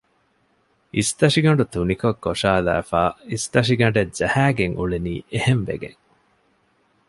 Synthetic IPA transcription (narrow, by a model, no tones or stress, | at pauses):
ist̪ɐʂiɡɐɳɖut̪unikokːoʂaːlæ̰ːfaːist̪ɐʃiɡɐɳɖezæhæːɡeŋʔuɭeniːʔehemʋḛɡḛŋ